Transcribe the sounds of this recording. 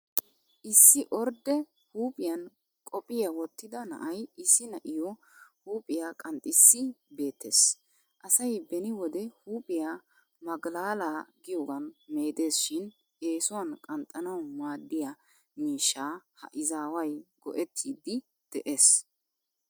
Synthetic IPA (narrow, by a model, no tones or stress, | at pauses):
ʔɪsːɪʔɔɾd̪ɛ | huːpʼɪjɐn | kʼɔpʼɪjawɔt̪ːɪd̪ɐnɐ̰ʔɐjɪsːɪnɐʔɪjɔ | huːpʼɪjaːkʼɐnt̪ʼːɪsːɪbe̞ːt̪ʰːe̞ːs | ʔɐsɐjbɛnɪwɔd̪ɛhuːpʼɪja | mɐɡlaːlaːɡɪjɔɡɐnme̞ːd̪e̞ːsʃɪn | e̞ːsʊwɐnkʼɐnt̪ʼːɐnɐwmaːd̪ːɪjɐ | miːʃːaːhɐ̰ʔɪzaːwɐjɡɔ̰ʔɛt̪ʰːiːd̪ːɪ | d̪̥ɛʔe̞ːs